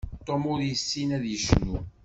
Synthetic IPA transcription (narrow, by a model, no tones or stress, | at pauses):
t̪ˤːomʊɾjəsːinæðjəʃnu